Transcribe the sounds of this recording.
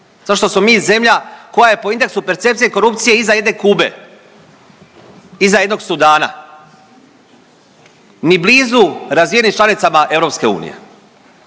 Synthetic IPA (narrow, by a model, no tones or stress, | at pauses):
zaʃt̪o̞smo̞miːze̞mʎʲako̞jaje̞poind̪e̞ksupe̞ɾt̪se̞pt̪sijeko̞ɾupt̪sijeizaje̞d̪ne̞kuːbe̞̰ | izaje̞d̪no̞ɡsud̪aːna̰ | nibliːzuɾazʋijenimt͡ʃlˠanit̪amaʔe̞vɾo̞pske̞ṵːnḭjḛ